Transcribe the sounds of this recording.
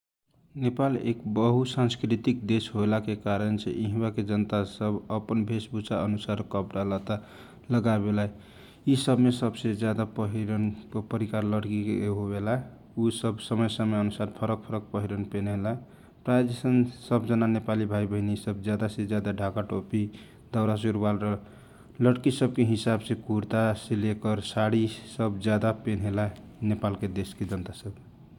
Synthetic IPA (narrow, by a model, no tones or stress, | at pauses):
nepalḛkbəɦusãnskɾit̪ik̚d̪esɦoelakekaɾənsḛʔiɦbaked͡ʒənt̪asəbəpənbʱesbut͡ʃaənusaɾkəbɾalat̪a | ləɡabelae | isəbmesəbsed͡ʒjad̪apəɦiɾənpəɾikaɾləɽkikeɦobela | usʌbsəməjsəmeənusaɾpʰʌɾək̚pʰʌɾək̚pəɦiɾənpenɦela | pɾad͡ʒesənsəbd͡ʒənanepalibʱajbʱəɦinisʌbd͡ʒjad̪ased͡ʒjad̪aɖʱakaʈopi | d̪ʌwɾas̬uɾbalɾ | ləɽkisʌbkeɦisabsẽkuɾt̪aselekʌɾsaɽisʌbd͡ʒjad̪apenɦela | nepalked̪esked͡ʒʌnt̪asəb